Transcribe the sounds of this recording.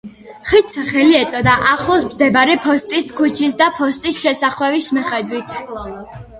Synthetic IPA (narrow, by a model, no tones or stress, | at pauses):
χit̪sʰaχɛliɛt̪sʼɔd̪aʔaχlˠɔsmd̪ɛbaɾɛpʰɔst̪ʼiskʰut͡ʃʰisd̪apʰɔst̪ʼisʃɛsaχwɛvismiχɛd̪wit̪ʰ